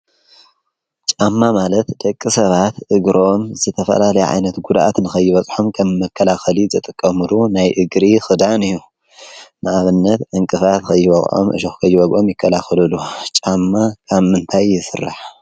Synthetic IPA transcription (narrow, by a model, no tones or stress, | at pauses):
t͡ʃʼamːamalɐt̪d̪̥ɐkʼːisɐβat̪ʔɨɡɾo̞mzɨt̪ʰɐfɐ̰lalɐjɛ̰ʕa̰jnɐt̪ɡud̪ʔa̰t̪nɨxɐjːɪβɐt͡sʼħomkʰɐmːɐkʰːɐlaxɐlizɨt̪ʼɨkʼːɐmɨlunajʔɨɡɾixɨd̪anɨjːu | nɨʔaβɨnːɐt̪ʔɨŋkʼɨfat̪kʰɐjːɨβɐɣʕo̰mʔɨ̰ʃokʰɐjːɪbɐɡʔo̞mjɪkʰːɐlaxɐlɨlut͡ʃʼamːakʰaβmɨnt̪ʰajːɪsɨrːa̰ħ